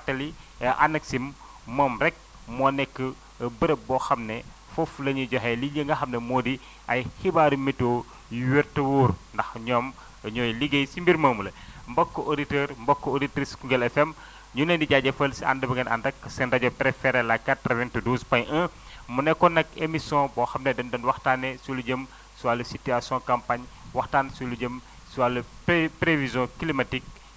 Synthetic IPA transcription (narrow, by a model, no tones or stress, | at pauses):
katːɐliɛʔanɐksim | mɔːmɾɛk̚ | mɔnɛkːəː | bəɾɐbɔxɐmnɛ | foflɐɲuɟɔɦɛliɲəŋɡɐxɐmnemoːdi | ɐjhibaːɾimito | jwɛɾtɐwoːɾndɐxɲɔːm | ɲɔːjliɡejsimbiɾmɐːmulɐmbɐkːoʔoditəːɾmbɔkːooditɾiskuŋɡɛlɛfɛm | ɲunɛndiɟaɟɐfəlsia̰ndɐbɐɡɐna̰ndɐkːsɛndɐɟɔpɾɛfɛɾɛlakːatɾɐvɛntuduːspɐɲɐ̃ | munɛkːɔnɐkemisjɔ̃bɔxɐmnɛdɐndɐnwɐxtanːɛsuluɟəm | siwalusitiasjɔ̃kɐmpaɲwɐxtaːnsuluɟəm | siwaluppɾevizjɔ̃kilimatik̚